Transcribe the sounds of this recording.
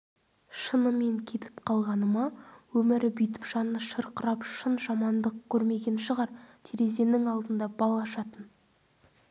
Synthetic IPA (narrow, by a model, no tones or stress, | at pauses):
ʃənəme̞ŋkʲʰe̞t̪ʰɪ̥pqʰɑlˠʁɑnəmɑwɵmɪɾɪbijt̪̬ɪ̥pʒɑnːəʃəɾqəɾɑpʃənʒɑmɑnd̪əq̚kʲʰɵɾme̞ɡʲe̞nʃəʁɑɾt̪ʰeɾe̞ze̞nɪŋɑlˠd̪ənd̪ɑbɑlˠɑʃɑt̪ən